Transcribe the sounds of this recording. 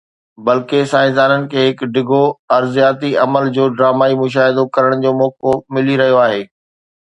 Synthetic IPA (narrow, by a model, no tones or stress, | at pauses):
bɐlkesaːɪ̃d̪aːnənɪ̆kʰeːɦɪkɖɪɡʱoɐɾzijaːt̪iɐməld͡ʑoːɖɾaːmaːimʊʃ̬aːɦɪd̪okɐɾəɽ̃d͡ʑoːmɔːkomɪliɾɐɦijoaːɦeː